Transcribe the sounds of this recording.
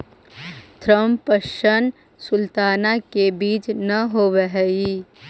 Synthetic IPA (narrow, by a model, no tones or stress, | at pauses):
t̪ʰɾəmpəʃən | sʊlt̪aːnakebiːt͡ʃnɐɦoʋəɦɛi